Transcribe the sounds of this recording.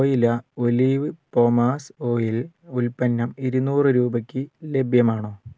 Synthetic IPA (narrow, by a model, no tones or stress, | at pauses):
oːjilɐoliːʋɨpo̞ːmaːso̞ːjil | ulpɐnːɐmiɾunuːrɨɾuːbɐkʲːɨle̞bʱjɐmaːɳoː